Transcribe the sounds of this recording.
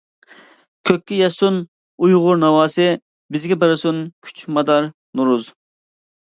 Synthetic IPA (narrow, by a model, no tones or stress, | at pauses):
kʲʰøkʲːijɛsun | ujʁʊɾnɑwɑːsɨ | bɪzɡʲɛbɪɾɨsunkʲʰy̥t͡ʃmɑd̪ɑɾ | nuɾuz